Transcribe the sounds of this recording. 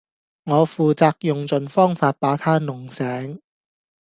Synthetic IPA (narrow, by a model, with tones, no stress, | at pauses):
ŋɔː˨˧fuː˨t͡saː˧k̚jʊ˨ŋt͡sɵ˨˩nfɔː˥ŋfaː˧t̚paː˨˥t̪ʰaː˥nʊ˨˩ŋsɛː˨˥ŋ